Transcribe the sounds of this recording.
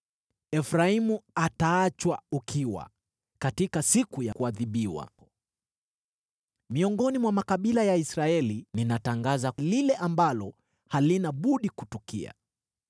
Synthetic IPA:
ɛfɾaimuataat͡ʃwaukʰiwa̰ | katikasikujakuaðiɓiwa̰ | miɔŋɡɔnimwamakaɓilajaisɾaɛlininataŋɡazalilɛʔambalɔ | halinaɓuɗikutukḭa̰

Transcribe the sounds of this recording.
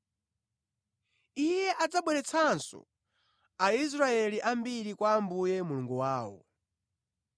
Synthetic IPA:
ijɛʔad͡zaɓwɛɾɛt͡sʰansɔ̰ | ais̬ɾaɛliʔambiɾikwaːmbujɛmuluŋɡuwaːwɔ̰

